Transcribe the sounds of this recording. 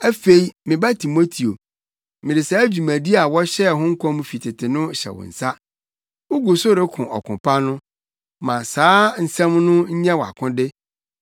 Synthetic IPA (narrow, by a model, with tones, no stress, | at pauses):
æ˦fe˦i˦mɪ̃˨ba˦tʰi˨mo˦tʰi˨o˨ | mɪ̃˨dɪ˨saː˨˦d͡ʑu˨mæ̃˨di˦a˨wɔ˦ɕɛ˦˨ɦʊ̃˦ŋ̩˦kʰɔ̃˦m˦fi˨tʰɪ˨tʰɪ˨nʊ̃˦ɕɛ̰˨wʊ̰̃˨n̩˨sa˦ | wʊ˦ɡu˨sʊ˦ɾɪ˦kʰʊ̃˨ʔɔ̰˨kʰʊ̃˨pʰa˦nʊ̃˦ | mã˨saː˨˦n̩˨sɛ̃˦mnʊ̃˦ɲ̩˦ɲɛ̃˦wa̰˨kʰʊ̃˦dɪ˦